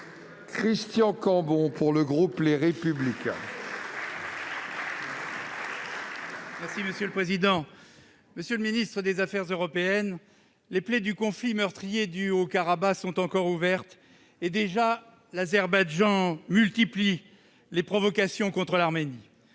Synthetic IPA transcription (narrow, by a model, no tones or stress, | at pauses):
kχist̪jɑ̃kɑ̃bɔ̃puʁləɡʁupleʁepyblikɛ̰̃ | mɛʁsiməsjøləpχezid̪ɑ̃ | məsjøləminist̪χəd̪ezafɛʁzøʁɔpeɛn | leplɛd̪ykɔ̃flimœʁt̪χijed̪yokaʁabasɔ̃t̪ɑ̃kɔʁuvɛʁt̪ | ed̪eʒa | lazɛʁbaʒɑ̃mylt̪ipli | lepχɔvɔkasjɔ̃kɔ̃t̪χəlaʁmeni